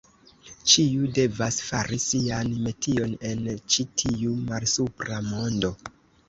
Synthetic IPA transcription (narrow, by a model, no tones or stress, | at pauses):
t͡ʃiude̞vasfaɾisianme̞tʰio̞ne̞nt͡ʃitʰiumalsupɾamo̞ndo̞